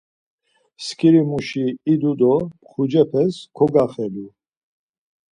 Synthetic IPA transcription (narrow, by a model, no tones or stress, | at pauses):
skʰiɾimuʃiːd̪ud̪ɔpχud͡ʒɛpʰɛskʰɔɡaχɛlu